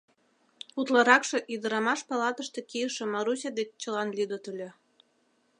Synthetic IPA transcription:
ut̪lɑɾɑkʃĕʔid̪ə̆ɾɑmɑʃpɑlɑt̪əʃt̪ĕkijəʃĕmɑɾusʲɑd̪et͡ɕt͡ɕəlɑnlʲid̪ot̪əlʲe

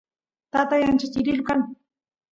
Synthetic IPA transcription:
t̪at̪ajant͡ʃɪt̪ɪɾɪlkan

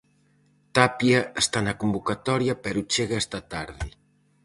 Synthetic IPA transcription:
t̪apjaest̪anɐkumbukat̪ɔɾjɐpɛɾut͡ʃeɣaɛst̪at̪aɾði

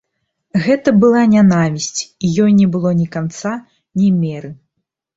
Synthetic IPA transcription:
ɣɛt̪ɐbɨlˠanʲanavʲisʲt͡sʲijɔjnʲɛbɨlˠɔnʲikant̪sa | nʲɛmʲɛɾɨ

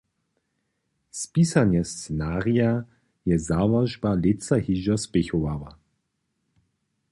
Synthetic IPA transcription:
spiːsanjɛst͡sɛnaːʁia | jɛzavaʒbalɪt͡saɦiʒɔspɛxowava̰

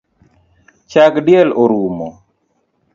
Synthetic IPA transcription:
t͡ʃakɖjɛloɾumo

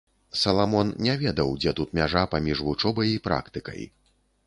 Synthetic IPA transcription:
sɐlˠamɔnnʲɛvʲɛd̪ɐwd͡zʲɛt̪ut̪mʲaʐapamʲiʐvut͡ʂɔbɐjipɾa̰kt̪ɨkɐ̰j

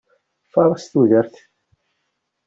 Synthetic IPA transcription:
fɑɾˤɑst̪uðəɾθ

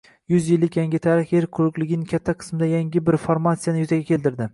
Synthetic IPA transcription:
jʊzjɪlːɪkʲjaŋʲɪt̪ʰaɾɪχjeɾqʰʊɾʊqlˠɪɡʲɪnɪkʲʰat̪ʰːaqʰɨ̥smɪd̪ajaŋɡʲɪbɪɾfoɾmat̪sijanɪjʊzaɡʲakʲʰe̞lˠt̪ɪɾd̪ɪ

